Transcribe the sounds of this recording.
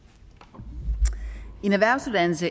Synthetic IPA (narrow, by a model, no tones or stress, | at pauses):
enæʋæɐ̰suðd̥ænsə